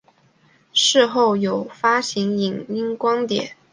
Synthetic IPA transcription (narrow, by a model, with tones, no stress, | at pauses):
ʂɻ̩˥˧xo˥˩ʊjo˨˩ʊfa˥ɕi˧˥ŋi˨˩ŋi˥ŋkwɑ˥ŋt̪jɛ̰˨˩˦n